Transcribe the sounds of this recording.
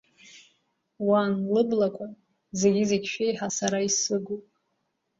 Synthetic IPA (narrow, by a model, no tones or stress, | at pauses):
wanlɨblakʷʰʼa | ze̞ɡʲɪzekʲʃᶣejħasaɾaisɨɡʷopʼ